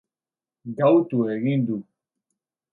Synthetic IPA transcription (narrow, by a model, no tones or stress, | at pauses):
ɡawt̪ueɣind̪u